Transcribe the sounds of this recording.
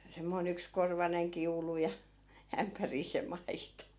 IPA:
semːoin ykskorʋɑneŋ kiulu jɑ æmpæriː se mɑito

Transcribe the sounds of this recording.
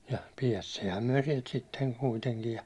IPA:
jɑ piɛstiːhæm myæ̹ sielt sitːeŋ kuiteŋkij jɑ

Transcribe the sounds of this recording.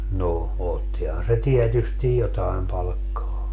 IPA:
no otːihɑn se tiɛtystij jotɑim pɑlkːɑː

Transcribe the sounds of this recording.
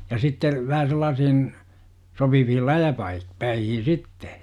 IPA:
jɑ sitːe ʋæhæ selːɑːsihin sopiʋihil læjæpɑi pæihin̞ sitːe

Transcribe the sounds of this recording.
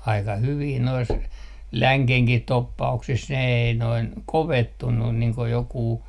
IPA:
ɑikɑ hyʋiː nois læŋkehkih topːɑuksis ne ei noin koʋetːunːun niːŋ ko jokuː

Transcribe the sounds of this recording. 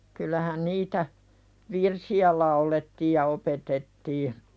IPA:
kylˑæhæn niːtæ ʋirsiæ lɑuletːiːj jɑ opetetːiː

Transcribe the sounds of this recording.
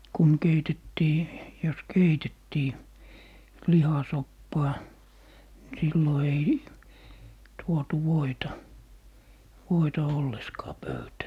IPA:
kun keitetːiː jos keitetːiː lihɑsopːɑː ni silːo ei tuotu ʋoitɑ ʋoitɑ olːeskɑː pøytæː

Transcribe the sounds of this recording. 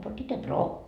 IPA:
po bitːe broː

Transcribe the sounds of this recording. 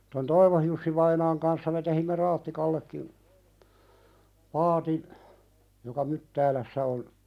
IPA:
ton toiʋohjusːiʋɑinɑːŋ kɑnsːɑ me tehimːe rɑːtːikɑlːekːim pɑːtin jokɑ mytːæːlæsːæ on

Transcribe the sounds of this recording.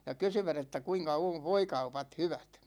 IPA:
jɑ kysyʋæt etːæ kuiŋkɑ oʋ ʋoikɑupɑt hyʋæt

